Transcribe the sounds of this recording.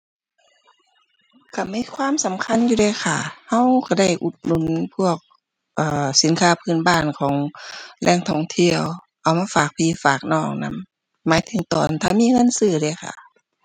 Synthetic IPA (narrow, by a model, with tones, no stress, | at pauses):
ka˧˩miː˧˥˨kʰwaː˧˥˨msa˨˦mkʰa˧˥˨njuː˧ɾa˧˩jkʰa˧˩ha˧˥˨wkʰa˧˩da˧˩jʔu˧˦t̪̚nu˧˥˨npʰu˧˩˨ək̚ | ʔaː˨˩si˨˦nkʰaː˧˥˨pʰɯː˧˩˨nbaː˧˥˨nkʰɔː˨˦ŋlʔɛː˧˩ŋt̪ʰɔ˧˩ŋt̪ʰi˧˩əw | ʔa˨˧˩wmaː˧faː˨˩k̚pʰiː˧˥˨faː˨˩k̚nɔː˧˩k̚na̰˧˥mː | aː˨˦jt̪ʰɯ˨˦ŋt̪ɔː˨˩nt̪ʰaː˧˩miː˧˨ŋɤ˧˥˨nsɯː˧˩daː˧˩˨xʰa̰˧˩